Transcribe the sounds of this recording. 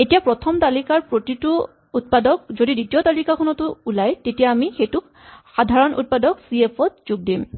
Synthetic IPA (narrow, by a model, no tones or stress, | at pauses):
etijapɹɔtʰɔmt̪alikaɹpɹotitʊ | ut̚padɔk̚zodiditijɔt̪alikakʰɔnɔtʊulajtetijaːmixejtʊk | xadʱaɹɔnʔṵt̚padɔksiepʰɔt̚z̥uɡ̚dim